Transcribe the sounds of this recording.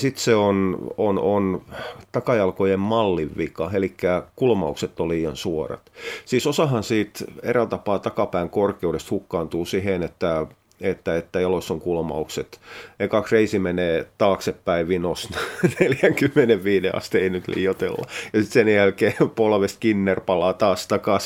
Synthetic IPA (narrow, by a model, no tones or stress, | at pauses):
sit̪seononont̪ɑkɑjɑlkojemmɑlːiʋʋikɑelikːækulmɑukset̪ːolliːjɑnsuorɑ̰t̪siːsosɑhɑnsiːt̪ḛrælt̪ɑpɑːt̪ɑkɑpæiŋkorkeudest̪hukːɑːnt̪uːsiɦenet̪ːæ | et̪ːæet̪ːæjɑlosːoŋkulmɑ̰ukset̪eikɑksreisimeneːt̪ɑːksepːæiʋinosnneljæŋkymːeneʋʋiːneɑ̰st̪ieinyt̪lḭːjot̪ḛlːɑ̰jɑsit̪senjælkeːpolʋest̪kinːerpɑlɑːt̪ɑːst̪ɑkɑs